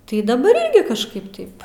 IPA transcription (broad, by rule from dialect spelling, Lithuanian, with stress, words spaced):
tɐɪ dɐˈbɐr ˈɪrʲɡʲɪ kɐʃˈkɐɪp ˈtɐɪp